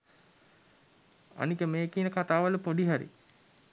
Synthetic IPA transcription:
a̰nikəmeːkiːnəkat̪aːʋələpoɖiɦaɾḭ

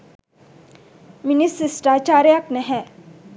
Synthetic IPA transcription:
mɪnisɪsʈaːt͡ʃaːɾjaknɛɦɛ̃

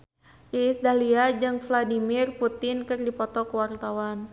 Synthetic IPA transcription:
iːsdaliad͡ʒɨŋfladimirput̪ɪnkɨrdipɔt̪ɔkəwart̪awan

